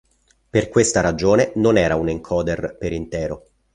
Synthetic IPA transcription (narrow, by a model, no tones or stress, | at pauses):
perkwest̪aɾad͡ʒoːnenonɛːɾauniŋkʰɔːd̪erpeɾint̪ɛːɾo